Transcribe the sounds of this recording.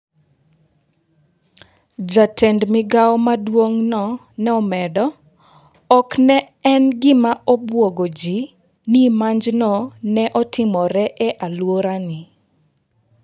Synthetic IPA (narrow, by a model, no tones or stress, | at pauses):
d͡ʒatʰɛndmɪɡaɔmadwoŋnɔ | nɛɔmɛdɔ | ɔknɛ | ɛnɡɪmaɔbwoɡod͡ʒi | nimaɲd͡ʒnɔnɛʔɔtʰɪmɔɾɛʔɛʔalwoɾanɪ